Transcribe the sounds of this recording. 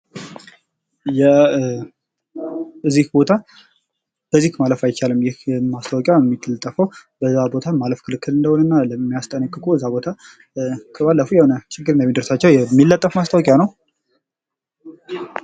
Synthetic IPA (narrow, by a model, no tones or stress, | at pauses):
jɛ | ʔɨzːihbo̞t̪ʰa | b̥əzːikmaləfajɪt͡ʃːalɨmjɪhmast̪ʰawɔkʼjajɛmːit̪ʰːɨlt̪ʼːəfəwbəzːabo̞t̪ʰamaləfkʰɨlɨkʰːɨlɨnd̪əhonənːaləmːijast̪ʼənəkʼːɨkʼuəzːabo̞t̪ʰa | kʰəβalːəfujɛhonət͡ʃɪɡːɨɾɨndəɛmid̪ɨɾsat͡ʃːɛwjɛmːilːət̪ʼːəfmast̪ʰəwɔkʼjanəw